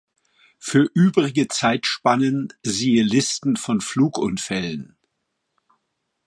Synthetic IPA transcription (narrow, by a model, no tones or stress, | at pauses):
fyːɐʔyːbʁɪɡət͡saɪtʃpanənziːəlɪstn̩fɔnfluːkʔʊnfɛlən